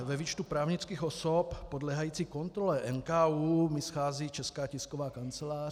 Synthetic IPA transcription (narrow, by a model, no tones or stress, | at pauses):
vɛviːt͡ʃt̪upɾaːvɲɪt͡skiːxosoppodlɛːɦajiːt͡siːkont̪ɾolɛʔɛnkaːuːmɪsxaːziːt͡ʃɛskaːcɪskovaːkant͡sɛlaː